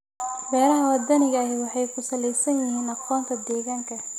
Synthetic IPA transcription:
bɛːɾɐɦɐwɐd̪ɐnɪɣɐːɦɛwɑħɑjkʰʊsɐlɛjsɐnjɪɦiːnɑqɔːnt̪ʰɐd̪ɛːɣaːŋkʰɐ

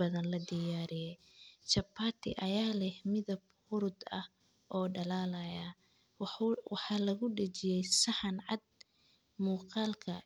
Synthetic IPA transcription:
ɐðɐnlɐd̪ɪjaːɾɪjɛj | t͡ʃɐpʰːaːt̪ʰɪ̰ʔɐjaːlɛhmɪðɐb̚ | hʊɾʊd̪ɐh | ʔɔːɖɐlaːlɐja | wɑħɑːlɐɣʊɖɐt͡ʃɪjɛjsɑħɑnʕɑd̪̚ | muːqɑːlkʰɐ̰

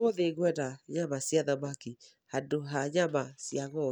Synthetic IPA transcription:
oðeɣwɛɾaɲamasjaðamaki | hadoɦaɲamasjaɣɔ

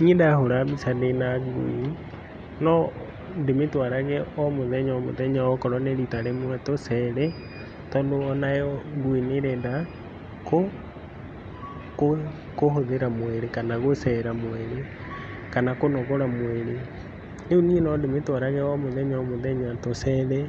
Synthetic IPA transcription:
niedahoɾaβisadenaɡṵi | nɔ | ndemetwaɾaɣɛɔmoðɛɲɔmo̰ðɛɲaɔkɔɾɔneɾitaɾemwɛtosɛɾɛ | tɔːndoɔnajɔɡwineɾɛda | ko | ko | koɦoðeɾamwɛɾekanaɣosɛɾamwɛɾe | kanakonɔɣoɾamwɛɾe | neoniɛnɔdemetwaɾaɣɛɔmoðɛɲamoðɛɲatosɛðɛ

